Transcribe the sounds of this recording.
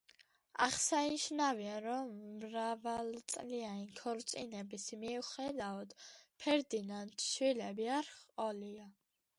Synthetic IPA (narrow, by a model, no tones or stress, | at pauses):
a̰χsaniʃnaviaɾɔmːɾavalt̪sʼlianinkʰɔɾt̪sʼḭnɛbisimiuχɛd̪aɔd̪̥pʰɛɾd̪inant̪ʰʃwilɛbiaɾχɔlia